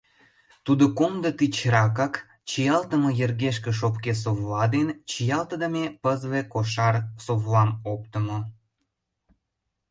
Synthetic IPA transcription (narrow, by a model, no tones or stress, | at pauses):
t̪ud̪okomd̪ət̪it͡ɕɾɑkɑk | t͡ɕijɑlt̪əmojerɣeʃkĕʃ̬opkes̬oβlɑd̪ent͡ɕijɑlt̪əd̪əmepəzβekoʃɑrsoβlɑmop̚t̪ə̆mo